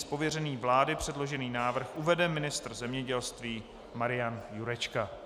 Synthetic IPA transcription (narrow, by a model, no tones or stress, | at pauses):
spo̞vjɛrɛniːvlaːdɪpr̝̥ɛdlo̞ʒɛniːnaːvr̩xʔuvɛdɛmɪnɪst̪r̩zɛmɲɛɟɛlst̪viː | maɾɪjanjuɾɛt͡ʃka